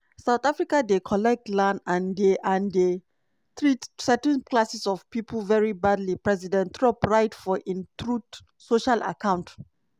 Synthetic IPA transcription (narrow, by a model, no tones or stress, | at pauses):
saʊt̪afɹikadekʰɔlɛk̚tlãnãndeʔãnde | tɹitsɛtɛ̃nkʰlasisɔv̥pipʰəlvɛɹibadlipɹɛzidɛ̃ntɹɔpɹaɪtfɔʔĩntɹut | soʃala̰kʰãʊ̃nt